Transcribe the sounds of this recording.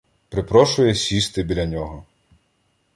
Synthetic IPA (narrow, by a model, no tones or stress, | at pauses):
pɾɪpɾɔʃʊjɛsʲist̪ɪbʲilʲɐnʲɔɦɔ